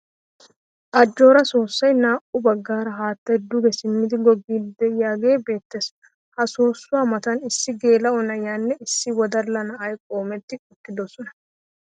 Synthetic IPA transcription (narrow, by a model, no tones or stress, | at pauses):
ʔɐd͡ʒːo̞ːɾɐso̞ːsːɐjnaːʔʊbɐɡːaːɾɐɦaːt̪ːɐjd̪ʊɡɛsɪmːɪd̪ɪɡɔɡiːd̪ːɛjaːɡe̞ːbe̞ːt̪ːes | hɐsoːsːʊwaːmɐt̪ɐnɪsːɪɡeːlɐɔnɐjanːɛɪsːɪwɔd̪ɐlːɐnɐʔɐjkʼo̞ːmɛt̪ːɪkʼʊkːɪd̪osɔnɐ